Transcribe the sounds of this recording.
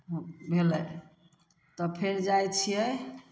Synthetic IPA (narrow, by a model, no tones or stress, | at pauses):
ɦbʱeləj | t̪ɔpʰeɾd͡ʒajt͡ʃʰijəj